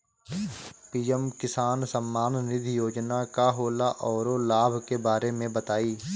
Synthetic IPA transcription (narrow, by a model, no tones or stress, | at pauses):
piːɛmkɪsaːnsəmːaːnːɪd̪ʱjoːd͡ʒnakaɦoːlaʔɔːɾolaːbʱkebaːɾemẽbət̪aːiː